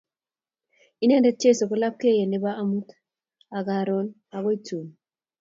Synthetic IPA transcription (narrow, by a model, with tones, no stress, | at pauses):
i˦nɛ˦ndɛ˦t͡ʃe˦˨so˨ko˦la˦p̚ke˦˨je˨ne˦ba˦ʔa˦mu˦t | a˨ɡa˨ɾɔ˦n | a˨ɡɔ˦i˦tu˨n